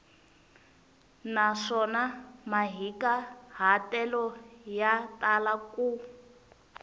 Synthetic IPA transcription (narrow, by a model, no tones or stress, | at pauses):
naʂɔnamaɦikaɦatɛlɔjatalaku